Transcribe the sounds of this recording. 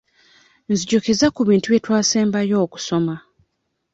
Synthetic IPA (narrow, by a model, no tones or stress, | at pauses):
nziɟokezakuβiːntuβje̞twaːseːmbajo̞ːku̥so̞ma